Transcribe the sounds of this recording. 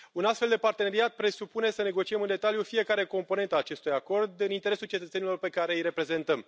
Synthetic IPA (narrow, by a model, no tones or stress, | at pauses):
unast̪fe̞ld̪epart̪e̞ne̞ɾiat̪̚pɾe̞supune̞səne̞ɡo̞t͡ʃiemɨnd̪e̞t̪aljufie̞kaɾe̞ko̞mpo̞ne̞nt̪əaːt͡ʃe̞st̪ujako̞rd̪ɨnint̪eɾe̞sult͡ʃe̞t̪ət̪se̞nilorpe̞kaɾe̞jɾe̞pɾe̞ze̞nt̪əm